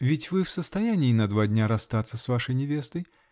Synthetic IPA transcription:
vʲɪtʲvɨfsəst̪ɐjanʲɪːnɐd̪vadʲnʲaɾɐst̪at̪sːəsvaʂəjnʲɪvʲest̪əj

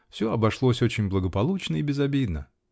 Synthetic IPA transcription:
fsʲoɐbɐʂlˠosʲot͡ɕɪnʲblˠəɡəpɐlˠut͡ɕnəɪbʲɪzɐbʲid̪nə

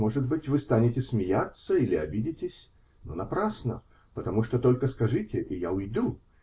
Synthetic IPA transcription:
mo̞ʐɨt̪bɨtʲvɨst̪anʲɪtʲɪsmʲɪjat̪səilʲɪɐbʲidʲɪtʲɪsʲ | no̰nɐpɾasnə | pət̪ɐmuʂt̪ot̪olʲkəskɐʐɨtʲɪʔijaʊjd̪u

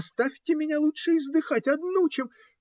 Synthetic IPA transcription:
st̪afʲtʲɪmʲɪnʲalˠutʂɨɪzd̪ɨxatʲɐd̪nut͡ɕem

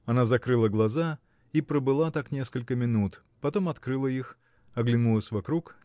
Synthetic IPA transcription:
ɐnazɐkɾɨlˠəɡlˠɐza | ipɾəbɨlˠat̪aknʲe̞skəlʲkəmʲɪnut̪ | pɐt̪o̞mɐt̪kɾɨlˠəix | ɐɡlʲɪnulˠəsʲvɐkɾuk

